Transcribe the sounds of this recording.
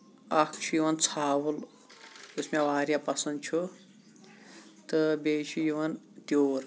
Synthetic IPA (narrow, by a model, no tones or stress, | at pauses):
ɐkʰt͡ʃʰujuwɐnt͡sʰaːwul | usmawaːɾjapɐsɐnd̪̚t͡ʃʰu | t̪ɐbʲeːt͡ʃʰujuwɐn | t̪oːɾ